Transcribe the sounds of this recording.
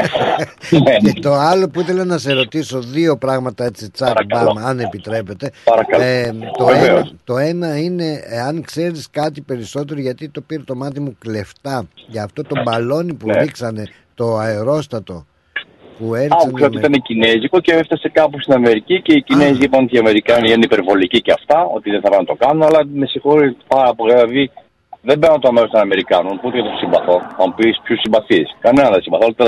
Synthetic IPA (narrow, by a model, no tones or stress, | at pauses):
ncet̪o̞ɐlo̞puiθe̞lɐnɐse̞ɾo̞t̪iso̞ðio̞pɾɐɣmɐt̪ɐe̞t͡sit͡sɐkɐbɐmɐne̞pit̪ɾe̞pe̞t̪e̞ɐɾɐkɐlt̪oveeveost̪o̞e̞nɐine̞eɐŋkse̞ɾiskɐt̪ipe̞ɾiso̞t̪e̞ɾoʝɐt̪it̪o̞piɾet̪o̞mɐt̪imukle̞ft̪ɐʝɐːft̪o̞t̪o̞mbɐlo̞nipuiksɐne̞ | t̪o̞ɐeɾo̞st̪ɐt̪o̞ | pueɾɐukseot̪it̪ɐnecinezikoceeft̪ɐse̞kɐpust̪inɐme̞ɾicice̞icinezizlip̪ont̪iɐme̞ɾikɐniit̪ɐnipeɾvo̞liciceɐft̪ɐo̞̰t̪iðeθɐpɐnɐt̪o̞kɐnunɐlɐme̞sixo̞ɾipɐɾɐpolilɐði | ðembeɾnɐnt̪oɐmeɾost̪onɐme̞ɾikɐnunput̪ejɐt̪osimbɐθo̞θɐmupispçusimbɐθiskɐnenɐnðesimbɐθoɐlt̪e